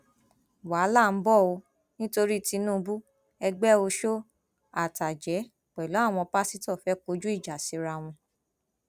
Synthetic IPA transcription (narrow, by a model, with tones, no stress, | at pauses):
wa˨˦la˦˨n̩˦bɔ˦˨o˧ | nĩ˦to˧ɾi˦˨ti˨˧˦nũː˦˨˧bu˦ | ɛ˧ɡ͡bɛ˦o˧ʃo˦ | a˦˨ta˨d͡ʒɛ˨˦ | k͡pɛ˨lɔ˨˦a˦˨w̃ɔ̃˧pa˦si˦tɔ˦˨fɛ˨˦ko˧˦d͡ʒu˦i˦˨d͡ʒa˨si˨˧˦ɾa˧w̃ɔ̃˧